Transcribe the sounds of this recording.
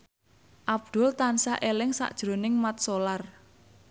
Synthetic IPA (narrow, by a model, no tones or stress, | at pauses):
ʔab̚d̪̥ʊ̤lt̪ansa̰ʔelɪŋsa̰ʔd̥ʒ̥ɾonɪŋmat̪̚solar